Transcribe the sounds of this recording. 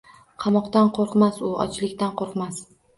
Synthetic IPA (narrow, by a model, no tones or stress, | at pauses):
qʰɑmɒqt̪anqʰoɾqmasʊɒ̰t͡ʃlɪkʲt̪anqoɾqmas